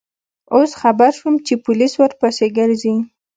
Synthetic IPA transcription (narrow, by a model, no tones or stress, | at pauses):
osxabaɾʃumt͡ʃepʊliswəɾpaseɡəɾzi